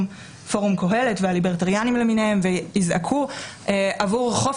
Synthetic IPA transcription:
m | fo̞ʁumko̞ɦe̞letvealibeʁtaʁjanimleminehemveizakʰuʔeʔavuʁχo̞f

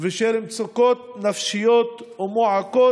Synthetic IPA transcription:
veʃeɾimt͡sokot̪̚nafʃijot̪umoʕako

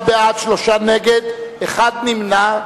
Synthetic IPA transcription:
beadʃloʃaneɡed̪eχad̪̚nimna

